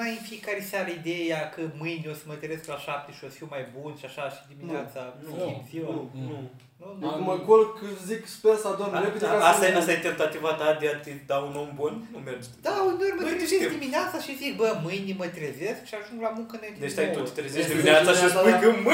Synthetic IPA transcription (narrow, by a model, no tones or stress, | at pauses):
ajfiekaɾesʲaɾəid̪ejakəmɨjniosəmət̪ezesklaʃap̚t̪eʃiosfiwmajbunʃiaʃaʃid̪iminnat̪saoinziwanu | nuakmakolkəzikspeɾsad̪oneped̪eaast̪aast̪ajet̪ent̪at̪ivat̪ad̪eat̪id̪auno̞mbunnumerd͡ʒ̪ | d̪aonoɾməɾeeed̪imineat̪saʃizik̚bəmɨjnimət̪ɾezeskʃiaʒuŋɡlamuŋkənojt̪d̪eʃt̪aj̪ut̪i̥t̪ɾezeʃtd̪imineat̪saʃiosujkəmɨ